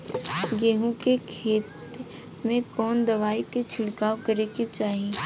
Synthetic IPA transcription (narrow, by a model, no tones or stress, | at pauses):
ɡeːɦũkekʰeːt̪ | mẽkɔːnd̪ɐʋaːiket͡ʃʰɪɽkaːkɐɾeket͡ʃaːɦieː